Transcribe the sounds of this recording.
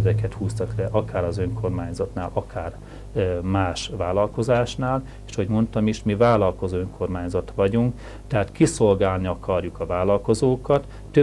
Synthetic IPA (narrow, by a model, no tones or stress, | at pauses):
dɛkɛt̪huːst̪ɒklɛʔɒkaːɾɒzø̞ŋko̞rmaːɲzɒt̪naːlʔɒkʰaːr | maːʃʋaːlɒlko̞zaːʃnaːl | eʃɒhoɟmo̞nt̪ɒmiʃmivaːlɒlko̞zoːøŋkʰo̞rmaːɲzɒt̪ʋɒɟuŋk | t̪ɛɦaːt̪kiso̞lɡaːlniɒkʰɒrjukɒvaːlɒlko̞zoːkɒt̪ːø